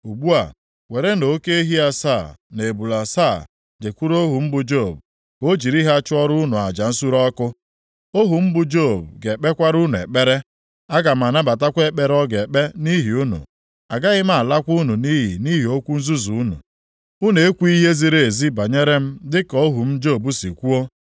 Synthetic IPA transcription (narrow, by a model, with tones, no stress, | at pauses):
u˨ɡ͡bu˦a̰˨ | we˨ɾe˦no˨˦ke˦i˦ɦi˦a˦sa˦˨ne˨bu˨la˨sa˦˨ | d͡ʒe˨kʷu˦ɾo˦ɦu˨m̩˦bʊ˨d͡ʒo˦˨b̚ | o˦d͡ʒi˨ɾi˦ɦa˦t͡ʃʊ˦ɔ˦ɾʊ˦nu˨a˨d͡ʒa˨n̩˦su˦ɾɔ˦kʊ˦ | o˦ɦu˨m̩˦bʊ˨d͡ʒo˦˨bɡe˨k͡pe˦kʷa˦ɾu˦nu˨ḛ˨k͡pe˦ɾe˦ | a˦ɡa˨m̩˨a˨na˦ba˨ta˦kʷe˦k͡pe˦ɾɔ˦ɡe˨k͡pe˦ni˦ɦi˨u˦nṵ˨ | a˨ɡa˦ɣɪ˦m˦a˦˨la˦kʷu˦nu˨ni˦ɦḭ˨ni˦ɦi˨o˦kʷu˦n̩˦zu˦zu˨u˦nṵ˨ | u˦ne˨e˦kʷu˦i˦ɦe˦zi˦ɾe˨e˨zi˦ba˨ɲe˦ɾe˦m̩˦dɪ˦kɔ˨o˦ɦu˨m̩˦d͡ʒo˦˨bu˦si˨kʷu˦o˦